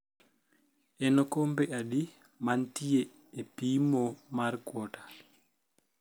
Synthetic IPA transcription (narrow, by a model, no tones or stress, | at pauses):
ɛnɔkombɛaɗi | mantijɛː | piːmɔmaɾkwɔtḁ